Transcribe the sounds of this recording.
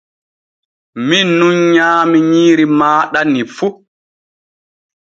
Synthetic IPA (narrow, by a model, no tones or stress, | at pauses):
minːuɲɲaːmiɲiːɾimaːɗanːifu